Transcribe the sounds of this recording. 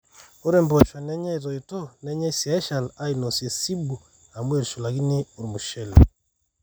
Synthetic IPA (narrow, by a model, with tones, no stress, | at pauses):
o˦ɾemboʃa˨ne˦ɲa˦iɾoito˦ne˦ɲa˦isia˦ʃa˨na˦inosie˨si˦bu˨ | a˨mwe˦ɾu˨ʃu˨laɣi˦ni˦o˨ɾi˨muʃɛlo